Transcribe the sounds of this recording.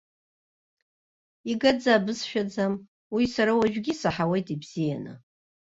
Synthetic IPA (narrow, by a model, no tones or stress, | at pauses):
iɡad͡zaːbɨzʃᶣad͡zam | wisaɾawaʒᶣɡʲisaħawe̞jtʼibz̥ija̰nɨ̰